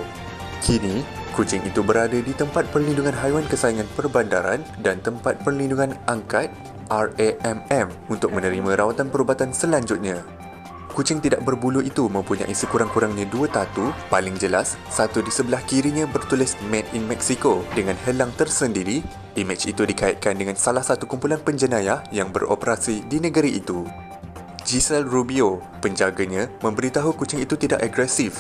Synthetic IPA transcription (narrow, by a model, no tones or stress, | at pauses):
kʰinĩ | kut͡ʃɪŋḭt̪ubəɾadadit̪əmpat̪̚pərlinduŋãnɦajwankəsaiŋãnpərbandaɾa̰ndant̪əmpat̪̚pərlinduŋãnʔaŋkat̪̚ | ʔareɛmɛmunt̪ʊk̚mə̃nə̃ɾimãɾawat̪anpəɾubat̪ansəlaɲd͡ʒʊt̪̚ɲã | kut͡ʃɪŋt̪idaʔ̚bərbuluʔit̪umə̃mpuɲa̰ʔisəkuɾaŋkuɾaŋɲãduət̪at̪upalɪŋd͡ʒəlasːat̪udisəbəlahkiɾiɲãbərt̪ulɪsmɛ̃t̪̚inmɛksikodəŋãnɦəlaŋt̪ərsəndiɾi | ʔimit͡ʃḭt̪udikaɪ̰t̪̚kandəŋãnsalahsat̪ukumpulanpəɲd͡ʒənãjahjaŋbə̰ro̰pəɾasidinə̃ɡəɾiʔit̪u | d͡ʒisɛlrubio | pəɲd͡ʒaɡaɲãmə̃mbəɾit̪aɦukut͡ʃɪŋit̪ut̪idaʔaɡɾɛsif